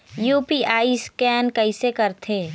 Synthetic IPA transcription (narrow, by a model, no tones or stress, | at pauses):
juːpiʔaːiskɛːnkɐɪsekɐɾt̪ʰeː